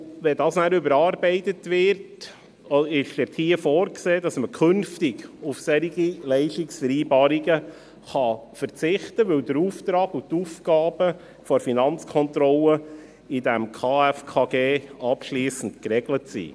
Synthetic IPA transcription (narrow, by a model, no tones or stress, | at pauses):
ʋɛdɑːsnæːɾʏbəɾɑːɾbɛɪtətʋɪɾt | ɪʃd̥ɛthiəfɔːɾkseːdɑsməkʰɵnftɪɡufsɛɾiɡilɛɪʃtiksfəɾiːbɑːɾiɡə | χɑfəɾt͡sɪχtəʋɵldəɾuːft̪ɾɑːɡutuːfɡ̥ɑːb̥ə | fɔɾfinɑnt͡skʰɔntɾɔlə | idɛmkʰɑːɛfkʰɑːɡeːɑpʃliːsn̩tkɾɛɡlətsḭː